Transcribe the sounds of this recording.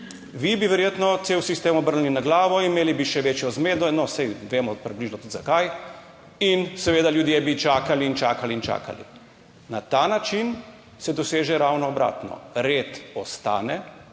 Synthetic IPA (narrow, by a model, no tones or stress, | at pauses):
ʋibiʋɛɾjeːt̪nɔt̪seːwsist̪eːmɔbəɾnninaɡlaːʋɔimeːlibiʃɛʋeːt͡ʃjɔzmeːd̪ɔnɔsɛjʋeːmɔpɾibliʒnɔt̪ut̪zakaj | insɛʋeːd̪aljud̪jebit͡ʃaːkaliːnt͡ʃaːkaliːnt͡ʃa̰ːka̰lḭ | nat̪aːnat͡ʃin | sɛd̪ɔseːʒɛɾawnɔːbɾa̰ːt̪nɔ̰ɾeːt̪ɔst̪a̰ːnɛ